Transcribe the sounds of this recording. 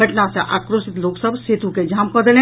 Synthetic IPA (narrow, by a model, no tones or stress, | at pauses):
ɐʈnaseʔʔa̰ːkɾoːʃɪt̪loːksəbseːt̪uked͡ʒaːmkəd̪elẽ